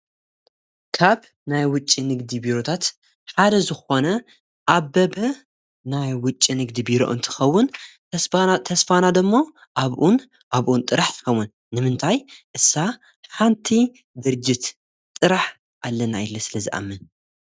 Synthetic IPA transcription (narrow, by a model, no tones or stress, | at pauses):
kʰaβ | najwʊt͡ʃʼːinɨɡd̪ibiɾo̞t̪ʰat̪ | ħad̪ɐzɨxo̞nɐ | ʔaβɐbɐ | najwʊt͡ʃʼːinɨɡd̪ibiɾo̞̰ʔɨ̰nt̪ʰɨ̥xɐwːʊn | t̪ʰɐsfanad̪ɨmːo̞ | ʔaβʔun | ʔaβʔunt̪ʼɨɾaħt̪ʰɨ̥xɐwːʊnːɨmɨnt̪ʰajʔɨsːa | xant̪ʰi | d̪ɨɾd͡ʒɪt̪ | t̪ʼːɨɾaħ | ʔalːɐnailɐsɨlɐziʔa̰mːɨn